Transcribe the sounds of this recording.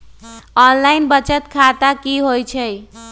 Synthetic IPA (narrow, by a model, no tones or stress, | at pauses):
ɔnlainbət͡ʃət̪kʰat̪akiɦojt͡ʃʰəj